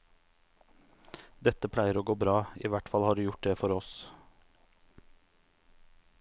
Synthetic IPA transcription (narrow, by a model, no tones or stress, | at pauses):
d̪ɛt̪əpʰlæɪəɾoːɡoːbɾɑːḭːʋæʈfɑlhɑːɖʉːjʊʈ̚d̪eːfɔɾɔs